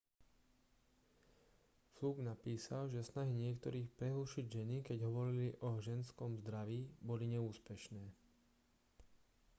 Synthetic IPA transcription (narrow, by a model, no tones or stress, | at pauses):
fluːɡnapiːsalʒɛsnaɦiɲɪɛkt̪ɔɾiːxpɾɛɦuːʃiɟʒɛnikɛɟɦɔʋɔɾiliʔɔʒɛnskɔmzd̪ɾaʋiːbɔliɲɛuːspɛʃnɛː